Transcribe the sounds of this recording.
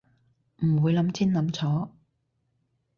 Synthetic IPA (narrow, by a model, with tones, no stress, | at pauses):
m̩˨˩wuː˨˧jlɐ˨˥mt͡sʰiː˥nlɐ˨˧˦mt͡sʰɔː˨˥